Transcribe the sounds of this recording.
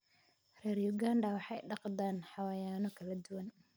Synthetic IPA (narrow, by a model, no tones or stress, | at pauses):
rɛːrjʊɡaːnɖɐwɑħɑjɖɑqd̪aːnħɑwajaːnɔkʰɐlɐd̪ʊwɐn